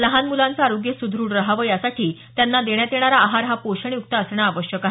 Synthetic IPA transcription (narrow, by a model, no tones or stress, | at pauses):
ləɦanmulãnt͡saaɾoɡjəsud̪ʱɾuːɽɾəɦaʋəːjasaʈʰiːt̪janːad̪eɳjat̪jeɽ̃aɾaːɦaɾɦapoɕəɳiuk̚t̪əəsɳ̃aːʋəɕjəkaɦ